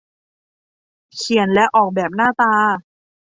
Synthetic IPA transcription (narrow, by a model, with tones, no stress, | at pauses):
kʰi˨˩ə˦nlɛ˦˥ʔɔː˨˩k̚bɛː˨˩p̚naː˥˩t̪aː˧